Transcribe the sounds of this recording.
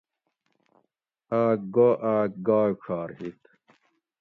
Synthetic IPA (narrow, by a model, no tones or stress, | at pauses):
aːk̚ɡoʔaːk̚ɡaːɕʰaːɾhit̪